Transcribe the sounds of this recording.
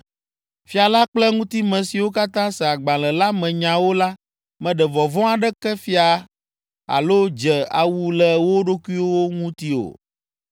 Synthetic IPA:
fi˦a˨la˦k͡plɛ˦ŋũ˦t̪i˦mɛ̃˨si˨wo˦ka˦t̪ã˦sɛ˨a˨ɡ͡bã˨lɛ˨la˦mɛ̃˨ɲã˨wo˦la˦ | mɛ̃˨ɖɛ˨vɔ˨vɔ̃˦a˨ɖɛ˦kɛ˦fi˦a˨ | a̰˨lo˦d͡ʒɛ˨a̰˨wu˦lɛ˨wo˦ɖo˦ku˦i˦wo˦wo˦ŋũ˦t̪i˦o̰˨

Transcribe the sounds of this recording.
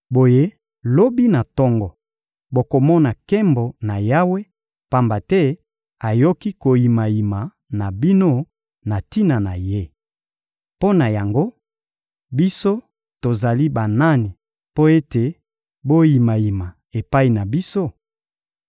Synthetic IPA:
bo˨je˦ | lo˦bi˦na˨tɔ˦ŋɡɔ˨ | bo˨ko˨mɔ˦na˨kɛ˦mbɔ˨na˨ja˦we˦ | pa˦mba˨tɛ˦ | a˨jo˦ki˦ko˨ji˨ma˨ji˨ma˨ | na˨bi˦no˦ | na˨ti˦na˨na˨je˦ | po˦na˨ja˨ŋɡo˦ | bi˦so˦ | to˨za˨li˦ba˨na˦ni˨ | po˦e˦te˨ | bo˦ji˨ma˨ji˨ma˨ | e˨pa˦i˨na˨bi˦so˦˨

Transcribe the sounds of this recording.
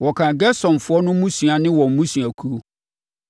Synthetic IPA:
wɔ˨kʰã˨ɡɛ˦sɔ̃˨n˨fʊ˦ɔ˦nʊ̃˦mũ˦su˨a˨nɪ̃˦wɔ̃˨m̩˨mũ˦sũ˨a˨kʰu˦o˦

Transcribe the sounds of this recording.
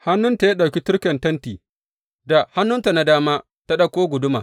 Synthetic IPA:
ha˦nːʊ˦nta˨ja˦ɗa˨wkʲi˦tʊ˦ɽkɐ˨ntɐ˦ntiː˨ | da˨ha˦nːʊ˦nta˨na˨daː˦maː˦ | ta˦ɗa˨kʷoː˦ɡʷʊ˨dʊ˦ma̰ː˨

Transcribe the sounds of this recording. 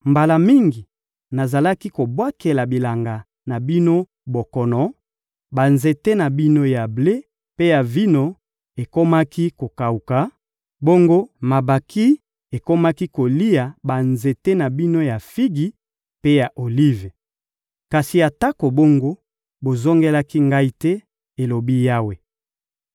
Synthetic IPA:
mba˨la˨mi˦ŋɡi˨ | na˨za˨la˦ki˦ko˨bwa˦ke˨la˨bi˨la˨ŋɡa˨ | na˨bi˦no˦ | bo˨kɔ˨nɔ˨ | ba˨nze˨te˦na˨bi˦no˦ja˨ble˦ | pe˦ja˨vi˦no˦ | e˨ko˦ma˦ki˦ko˨ka˨u˨ka˨˦ | bo˦ŋɡo˦ma˨ba˨ki˦ | e˨ko˦ma˦ki˦ko˨li˦ja˨ba˨nze˨te˦na˨bi˦no˦ja˨fi˦ɡi˦ | pe˦ja˨ʔo˨li˦ve˨ | ka˨si˨ja˨ta˦ko˨bo˦ŋɡo˦ | bo˨zo˦ŋɡe˦la˦ki˦ŋɡa˦i˦tɛ˦ | e˨lo˨bi˦ja˦we˨

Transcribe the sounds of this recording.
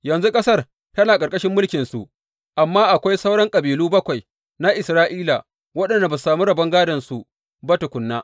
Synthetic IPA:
jɐ˨nzu˦kʼɐ˦sɐ˦r | tɐ˦naː˨kʼɐ˨ɾkʼɐ˦ʃɪ˦mːʊ˦lkʲɪ˨nsṵ˨ʔ | ʔa˨mːaː˦ʔa˨kʷa˦jsɐ˦wɽɐ˦ŋkʼɐ˨biː˨luː˦bɐ˦kʷa˨j | na˦ʔɪ˨sɾaː˦ʔiː˦la˨ | wɐ˦ɗɐ˨nda˨ba˨saː˨mu˦ɾɐ˨bɐ˦ŋɡaː˦dɐ˨nsu˨ | bɐ˦ta˨kʷʊ˨nːaː˦

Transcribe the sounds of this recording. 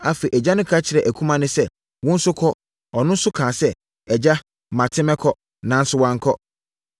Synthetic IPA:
a˨fe˨ʔɛ˨d͡ʑa˦nʊ̃˦kʰa˦t͡ɕʰɪ˨ɾɛ˨ʔæ˨kʰũ˦mã˦nʊ̃˦sɛ˦ | wʊ̃˦n̩˦sʊ˦kʰɔ˦ | ɔ˨nʊ̃˦n̩˦sʊ˦kʰãː˨sɛ˦ | ɛ˨d͡ʑa˦˨ | mã˨tʰɪ̃˦mɛ̃˦kʰɔ˦ | nã˨n̩˦sʊ˦wã˦ŋ˦kʰɔ˦

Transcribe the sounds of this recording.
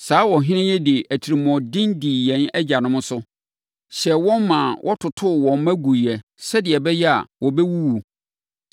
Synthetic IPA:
saː˨˦wɔ˨ɦɪ̃˦nɪ̃˦jɛ˦dɪ˨ʔæ˨tʰi˨ɾi˨mɔ̃˨dɪ̃˦ndiː˨jɛ̃˦nɛ˦d͡ʑa˨nʊ̃˦mʊ̃˦sʊ˦ | ɕɛ˨wɔ̃˦nmã˨wʔɔ˦tʰʊ˨tʰʊ˦˨wɔ̃˨m˦mæ̃˦ɡu˨i˨ɛ˨ | sɛ˦dɪ˨ɛ˨bɛ˦jɛ˦a̰˨wʔɔ˨bɛ˦wu˦wu˨

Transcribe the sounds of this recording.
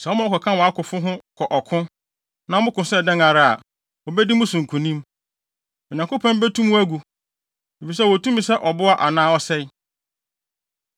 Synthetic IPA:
sɛ˨ɔ˦mã˨˦ɔ˦kʰɔ˨kʰã˦wɔ˨a˦kʊ˨fʊ˦ɦʊ̃˦kʰɔ˨ʔɔ˨kʰʊ̃˦ | nã˨˦mʊ̃˦kʊ̃˨sɛ˦˨dɛ̃˦ŋa˨ɾa˨a̰˨ | ɔ˨bɛ˦di˦mʊ̃˦sʊ̃˨ŋ̩˨kʰũ˨nĩ˦m | mɪ˨ɲ˨ã˨ŋkʊ˦pʰɔ̃˦m˦bɛ˦tʰũ˦mʊ̃˦æ˦ɡu˨ | e˨fi˨s̬ɛ˦˨wɔ˨tũ˦m̃˨sɛ˦ʔɔ˨bʊ˦a˨ʔa˨nãː˦ɔ˦sɛ˦

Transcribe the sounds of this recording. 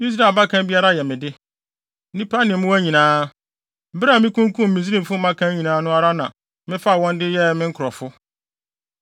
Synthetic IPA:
i˦s̬ɾa˨ba˦kʰã˦n˦bi˦a˦ɾa˦jɛ˨mɪ̃˨dɪ˦ | nĩ˦pʰa˦nɪ̃˨mʊ̃˦wæ˦ɲĩ˨nãː˦ | m̩˦bɪ˦ɾa˦˨mɪ̃˦kʰũ˦ŋ˦kʰũ˦mː˨ĩ˨s̬ĩ˦m˨fʊ˦mã˦kʰã˦ɲĩ˨nãː˨˦nʊ̃˦a˦ɾa˦nã˨ | mɪ̃˦fa˦˨wɔ̃˦ndɪ˦jɛ˦mɪ̃˦ŋ̩˦kʰɾɔ˨fʊ˦

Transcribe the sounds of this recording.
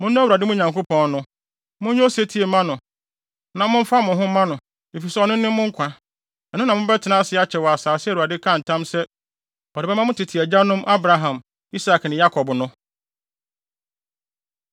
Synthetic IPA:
mʊ̃˦ñː˦wu˨ɾa˨dɪ˦mʊ̃˦˨ɲã˨ŋko˦pʰɔ̃˦nnʊ̃˦ | mʊ̃˦ɲʊ̃˦se˦tʰi˨e˨mã˦nʊ̃˨ | nã˨mʊ̃˦ɱ̩˦fa˦mʊ̃˨ɦʊ̃˦mã˦nʊ̃˨ | e˨fi˨sɛ˦ɔ˨nʊ̃˦nɪ̃˦mʊ̃˦ŋ̩˦kʷʰa˨ | ɛ˨nʊ̃˦nã˨mʊ̃˦bɛ˦tʰɪ˨nã˦sɪ˨˦a˦t͡ɕʰɛ˨wɔ˨a˨saː˨sɪ˦wu˨ɾa˨dɪ˦kʰã˦˨n̩˨tʰã˦msɛ˦ | ɔ˨ɾɪ˨bɛ˦mã˦ʊ̃˦tʰɪ˨tʰɪ˨æ˨d͡ʑa˦nʊ̃˦mʔa˦bɾa˨ɦã˨m | i˦sa˨knɪ̃˨ja˦kʰɔ˨bnʊ̃˦

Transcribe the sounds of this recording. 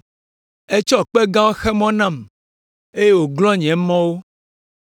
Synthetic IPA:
e˦t͡ʃɔ˦k͡pɛ˦ɡã˦wo˦xɛ˦mɔ̃˦nã˦˨m | e˦je˦wo˨ɡlɔ̃˦ɲ˨ɛ̃˨mɔ̃˦wo˦

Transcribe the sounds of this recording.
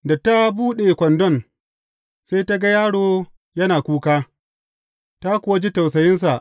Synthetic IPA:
da˨ta˦buː˦ɗe˨kʷɔ˨ndɔ˦˨n | se˦ta˦ɡa˦jaː˦ɽoː˨ | jɐ˦naː˨kʷuː˦kaː˦ | ta˦kʷʊ˨wa˦d͡ʒi˦ta˨wsɐ˨jɪ˦ns̬a˨ʔ

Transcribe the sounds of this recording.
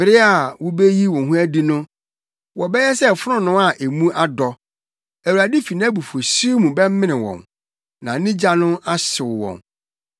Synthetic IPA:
bɪ˨ɾɪ˦a˨wʊ˦be˦ji˦wɔ̃˨nɦũ˦æ˦di˦nʊ̃˦ | wɔ˨bɛ˦jɛ˦sɛ˦˨fʊ˦ɾʊ̃˦nʊ̃˦a˨ʔe˨mũ˦ʔa˦dɔ˨ | æ˨wu˨a˨di˦fi˨nã˦bu˨fo˨su˦mũ˨bɛ˦m̩˦mɪ̃˦nɪ̃˨wɔ̰̃˨m | nã˨˦nĩ˦d͡ʑa˦nʊ̃˦a˦sɪ˨wɔ̰̃˨m

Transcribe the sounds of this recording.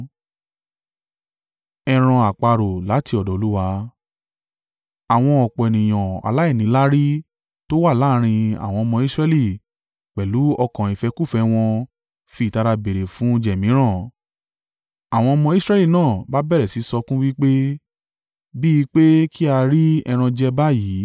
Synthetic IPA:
ɛ˧ɾ̃ã˧a˨k͡pa˧ɾo˨la˨˦ti˧ɔ˨dɔ˨o˧˦u˦wa˧˦ | a˨w̃ɔ̃˧ɔ˨k͡pɔ˨ɛ˨nĩ˨j̃ɔ̃˨a̰˨la˦i˦˨nĩ˨˦la˦ɾi˦ | to˦wa˦˨la˦˨˦ɾ̃ĩ˧a̰˨w̃ɔ̃˧ɔ˧mɔ̃˧i˦sɾɛ˦li˦˨ | k͡pɛ˨lu˨˦ɔ˧kã˨i˨fɛ˧ku˦˨fɛ˧w̃ɔ̃˧ | fi˧˨ta˧ɾa˧be˨ɾe˨fũ˨˦d͡ʒɛ˨mĩ˨˦ɾ̃ã˦˨ | a˨w̃ɔ̃˧ɔ˧mɔ̃˧i˦sɾɛ˦li˦˨nãː˦˨ba˦bɛ˦ɾɛ˨si˨˦sɔ˧kũ˦wi˦k͡pe˦ | bi˦i˧k͡pe˦ki˦a˧ɾi˦ɛ̰˧ɾ̃ã˧d͡ʒɛ˧ba˦ji˨˦

